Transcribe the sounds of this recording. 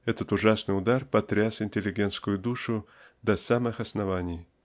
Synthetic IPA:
ɛt̪ət̪ʊʐasnɨjʊd̪arpɐt̪ɾʲasɪnʲtʲɪlʲɪɡʲent̪skʊjʊd̪uʂʊ | d̪ɐsamɨxɐsnɐvanʲɪj

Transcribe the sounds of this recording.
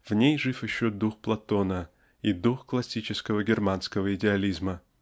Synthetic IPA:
vnʲejʐɨfjɪɕːod̪uxplˠɐt̪o̞nə | id̪uxklˠɐsʲːit͡ɕɪskəvəɡʲɪrmanskəvəɪdʲɪɐlʲizmə

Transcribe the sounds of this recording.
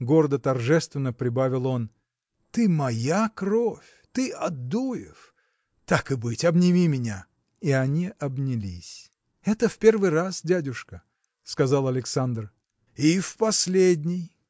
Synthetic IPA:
ɡo̞ɾəd̪ət̪ɐrʐɛst̪vʲɪnːəpɾʲɪbavʲɪlˠo̞n | t̪ɨmɐjakrofʲ | t̪ɨɐd̪ujɪ̰f | t̪akɨbɨtʲɐbnʲɪmʲimʲɪnʲa | iɐnʲiʔɐbnʲɪlʲisʲ | ɛt̪əfpʲervɨjrasdʲædʲʊʂkə | skɐzalˠɐlʲɪksand̪r | ifpɐsʲlʲedʲnʲɪj

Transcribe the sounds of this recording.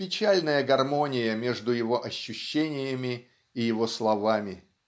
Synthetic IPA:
pʲɪt͡ɕalʲnəjəɡɐrmo̞nʲɪjəmʲe̞ʐd̪ʊjɪvo̞ʔɐɕːʉɕːenʲɪjəmʲɪː | jɪvo̞slˠɐvamʲɪ

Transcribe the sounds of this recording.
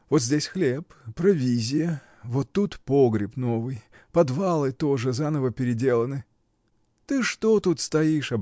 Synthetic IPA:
vot̪zʲdʲesʲxlʲeppːɾɐvʲizʲɪjə | vot̪ːut̪poɡɾʲɪpno̞vɨj | pɐd̪valˠɨt̪o̞ʐɨzanəvəpʲɪɾʲɪdʲe̞lˠənɨ | t̪ɨʂt̪ot̪ut̪st̪ɐiʂɐb

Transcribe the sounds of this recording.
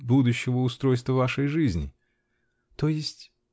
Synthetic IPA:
bud̪ʊɕːɪvəʊst̪ɾo̞jst̪vəvaʂəjʐɨzʲnʲɪ̰ | t̪o̞jɪsʲtʲ

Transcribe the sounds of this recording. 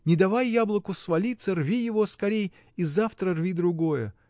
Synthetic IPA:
nʲɪd̪ɐvajːablˠəkʊsvɐlʲit̪sərvʲijɪvo̞skɐɾʲej | izaft̪ɾərvʲid̪ɾʊɡojə

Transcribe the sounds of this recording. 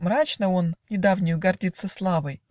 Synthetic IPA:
mɾat͡ɕnəo̞nnʲɪd̪avnʲɪjʊɡɐrdʲit̪səslˠavəj

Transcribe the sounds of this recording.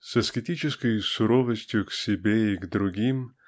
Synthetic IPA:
sɐskʲɪtʲit͡ʃɪskəjsʊɾɔvəsʲtʲjʊksʲɪbʲeiɡd̪ɾʊɡʲim

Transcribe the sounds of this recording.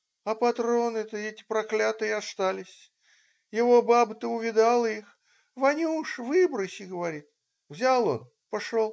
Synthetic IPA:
ɐpɐt̪ɾo̞nɛt̪əɛtʲɪ̥pɾɐklʲat̪ɨjɐst̪alʲɪsʲ | jɪvobabət̪əʊvʲɪd̪alˠəix | vɐnʲuʂvɨbɾəsʲɪɡəvɐɾʲit̪̚ | vzʲalˠo̞̰n | pɐʂolˠ

